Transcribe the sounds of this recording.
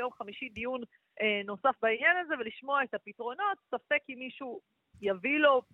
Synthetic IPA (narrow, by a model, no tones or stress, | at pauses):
jo̞mχamiʃid̪ijun | eno̞safbainjanaze̞veliʃmo̞aet̪hapitʁo̞no̞t̪safe̞kimːiʃu | javilo̞